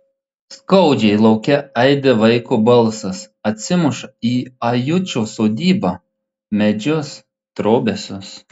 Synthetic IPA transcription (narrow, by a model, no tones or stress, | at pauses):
skɐʊd͡ʒʲɛɪlˠɐʊkʲɛɛɪd̪ʲeʋɐɪkubɐlˠˑsɐsɐt̪ʲsʲɪmʊʃɐiːɐjʊt͡ʃʲoːsoːd̪ʲiːbɑ | mʲɛd͡ʒʲʊs | t̪ɾoːbʲɛsʲʊs